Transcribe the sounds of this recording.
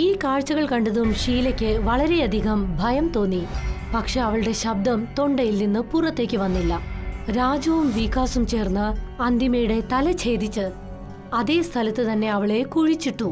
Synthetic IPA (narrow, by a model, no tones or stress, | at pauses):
iːkaːɻt͡ɕːɐɣɐɭkɐɳɖɐðumʂiːlɐkʲːɨʋɐɭɐɾe̞ɐd̪ʱiɣɐmbʱɐjɐmt̪o̞ːnːipɐkʂe̞ɐʋɐɭɨɽe̞ɕɐb̚d̪ɐmt̪o̞ɳɖɐjilninːɨpurɐt̪ːe̞ːkʲːɨʋɐnːilːɐɾaːd͡ʑɐʋumʋikːaːsumt͡ɕe̞ːrnːɨɐnd̪ʱjimɐjuɽe̞t̪ɐlɐt͡ɕʰe̞ːd̪ʱit͡ɕːɨ | ɐðe̞ːst̪ʰɐlɐt̪ːɨt̪ɐnːe̞ɐʋɐɭe̞kuɻit͡ɕːiʈːu